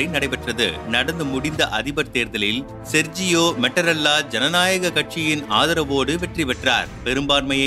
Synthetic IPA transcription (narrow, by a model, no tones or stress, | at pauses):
ɐɪnɐɽɐɪpɐʈrɐðɯ̰nɐɽɐnd̪ɯmʊɽɪnd̪ɐʔɐðɪbɐɾt̪eːɾðɐlɪl | sɛɾd͡ʒɪjoːmɛʈːɐɾɐlːaːd͡ʒɛnɐnaːjɐɣɐkɐʈ̚t͡ʃɪjɪnaːðɐɾɐʋoːɽɯʋɛʈriʋɛʈra̰ːɾpɛɾɯmbaːɾmɐjɐ